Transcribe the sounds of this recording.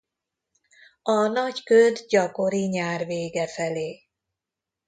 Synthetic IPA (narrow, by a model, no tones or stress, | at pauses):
ɒnɒɟkød̪ɟɒko̞ɾiɲaːrveːɡɛfɛleː